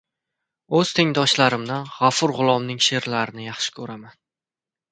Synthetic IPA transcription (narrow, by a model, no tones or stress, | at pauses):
ɵz̥t̪ʰeŋd̪ɒʃlaɾɪmd̪anʁafʊɾʁʊlˠɒmnɪŋʃe̞ɾlaɾɪnɪjɑχʃɪ̥kʰɵɾaman